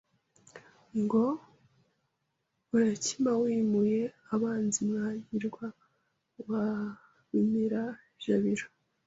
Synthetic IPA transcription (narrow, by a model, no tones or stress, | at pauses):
ŋɡo̞ | uɾacimawiːmuje̞ | aβaːnzimŋaɲɟiɾɡwa | βa | βimiɾa | ʒ̥aβiɾo